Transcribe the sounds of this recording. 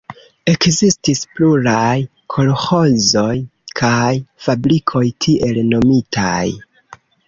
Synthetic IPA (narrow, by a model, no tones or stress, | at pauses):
e̞kzistispluɾaj | kʰo̞lho̞zo̞jkʰajfabɾikʰo̞jtʰiʔe̞lno̞mitʰaj